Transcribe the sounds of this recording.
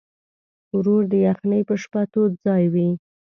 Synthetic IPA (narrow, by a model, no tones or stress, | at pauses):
wɾoɾd̪əjaxnəjpəʃpat̪od̪̚d͡zɑjwi